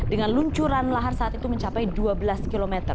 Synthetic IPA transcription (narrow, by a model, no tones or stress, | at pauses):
dəŋanluɲt͡ʃuɾanlaɦarsaat̪it̪uməɲt͡ʃapajduabəlaskilomɛt̪ər